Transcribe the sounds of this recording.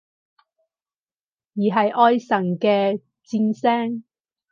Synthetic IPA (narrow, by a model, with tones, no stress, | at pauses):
jiː˨˩ɦɐ˨jʔɔː˧jsɐ˨˩nkɛː˧ | t͡siː˧nsɛː˥ŋ